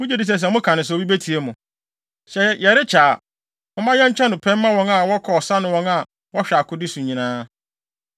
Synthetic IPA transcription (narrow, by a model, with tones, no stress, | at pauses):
mʊ̃˦d͡ʑi˦˨di˨s̬ɛ˨s̬ɛ˨mʊ̃˦kʰã˨nɪ̃˨s̬ɔ˦˨bi˦be˦tʰi˨e˦mʊ̃˨ | ɕɛ˨jɛ˨ɾɪ˦t͡ɕʰaː˨ | mʊ̃˦mã˦jɛ˦ɲ̩˦t͡ɕʰᶣɛ̃˦nʊ̃˨pʰɛ̃˦mː˦ã˦wɔ̃˦ŋa˨wɔ˦kʰɔ˨ɔ˨sa˦nʊ̃˦wɔ̃˦na˨ | wɔ˦ɕᶣa˨kʰʊ˦dɪ˦sũ˨ɲ˨ɲĩ˨nãː˦